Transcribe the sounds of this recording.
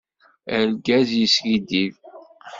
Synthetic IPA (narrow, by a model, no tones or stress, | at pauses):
æɾɡæzjisɡid̪iv